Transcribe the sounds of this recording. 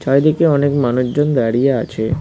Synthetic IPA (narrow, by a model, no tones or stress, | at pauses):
t͡ʃʰɔjd̪ekeɔnekmanuʃd͡ʑond̪aɽijaa̰t͡ɕʰe